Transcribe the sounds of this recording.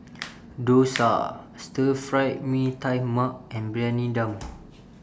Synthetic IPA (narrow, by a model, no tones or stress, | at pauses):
dosa̰ | stəfɹajt̚mĩtajmak̚ɛ̃nbɹɛ̃nĩdə̃m